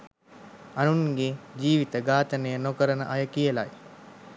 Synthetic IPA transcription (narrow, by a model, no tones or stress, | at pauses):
anuŋɡed͡ʒiːʋit̪əɡaːt̪ənəjənokəɾənə̰ʔajəkijəla̰j